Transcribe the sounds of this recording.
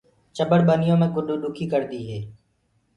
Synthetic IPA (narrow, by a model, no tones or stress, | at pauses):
t͡ʃəbəɽɓənɪjõːmẽːkʊɗuːɗʊkʰiːkəɾd̪iːɦeː